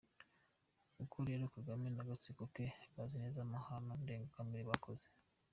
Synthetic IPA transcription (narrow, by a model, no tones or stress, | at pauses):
ukʰuɾijeɾukaɡamenaɡat͡sikokeβazinezamahanande̞ːŋɡakamiɾiβakʰoze̥